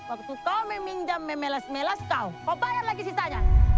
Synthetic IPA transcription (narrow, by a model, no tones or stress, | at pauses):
wak̚t̪ukaumemiɲd͡ʒamːemɛlasmɛlaskaukabajarlaɡisit̪ad͡ʒa